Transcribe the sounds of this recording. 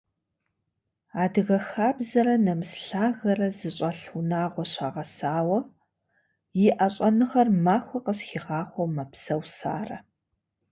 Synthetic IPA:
aːdɨɣɐxaːbzɐɾɐnɐmsɬaːɣɐrɐzɨɕʼɐɬunaːʁʷɔɕaːʁɐsaːwɐ | jɪʔɐɕʼɐnɨʁɐrmaːχʷɔqəɕxiːʁɑːχʷɔmɐpsɐwsa̰ːrɐ̰

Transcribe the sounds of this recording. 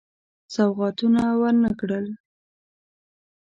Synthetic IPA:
sawɣɑt̪unawənəkɽəl

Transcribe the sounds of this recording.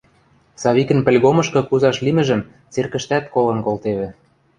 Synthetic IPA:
sɑβikə̆npɘ̆lʲɣomɤ̆ʃkɤ̆kuzɑʃlimɘ̆ʒə̆m | t͡serkə̆ʃt̪æt̪̚kolɤ̆nkolt̪eβɘ̆

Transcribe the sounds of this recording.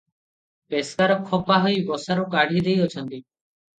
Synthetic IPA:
peskaɾɔkʰːɔpaɦɔibɔsaɾokaɽʱid̪ejɔt͡ʃʰɔnt̪iː

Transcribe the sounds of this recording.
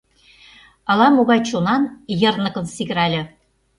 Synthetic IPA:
ɑlɑmuɣɑjt͡ɕunɑnjɤ̆rnɤ̆kɤ̆nsiɣ̆ɾælʲɘ̆

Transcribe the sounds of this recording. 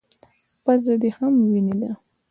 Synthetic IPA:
pazad̪ehamwinid̪a

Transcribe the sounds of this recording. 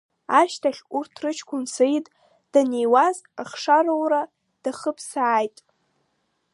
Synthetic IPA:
aʃtʰaχʲurtʰrɨt͡ʃʰkʷʰʊnsejtʼ | d̥anejwazaχʂaɾowra | d̥aχəpʰsaːjtʼ

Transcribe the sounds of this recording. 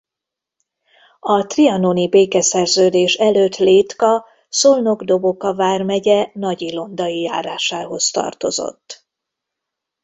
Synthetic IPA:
ɒt̪riɒnonibeːkɛsɛrzøːd̪eːʃɛløːt̪leːt̪kɒ | so̞lnoɡd̪o̞bo̞kɒvaːrmɛɟɛnɒɟilo̞nd̪ɒjija̰ːɾaːʃaːɦo̞st̪ɒ̰rt̪o̞̰zo̞̰t̪ː

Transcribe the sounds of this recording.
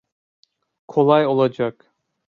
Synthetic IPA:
kʰolˠɑjolˠad͡ʒak

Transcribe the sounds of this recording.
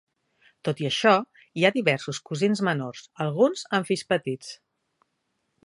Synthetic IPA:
t̪ot̪iəʃɔ | iaðiβɛɾsuskuzinzmənorzəlˠɣunzəɱfispət̪it͡s

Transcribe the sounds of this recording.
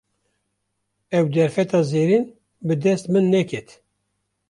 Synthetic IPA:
ɛwd̪ɛɾfɛt̪ɑːzeːɾin | bɨd̪ɛst̪mɨnːɛkʰɛt̪

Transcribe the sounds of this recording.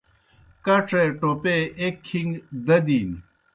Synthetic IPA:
kɐʈ͡ʂʰeʈopeekʰːiŋɡd̪ɐd̪iːn

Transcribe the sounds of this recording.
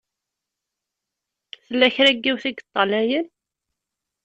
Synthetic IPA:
θəlːæçɾæɡːiwθiɡət̪ˤːɑlæjən

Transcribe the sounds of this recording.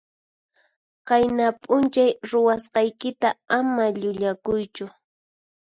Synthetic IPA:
qɑjnapʼʊnt͡ʃajɾʊwasqɑjkɪt̪aamaʎʊʎakʊjt͡ʃʊ

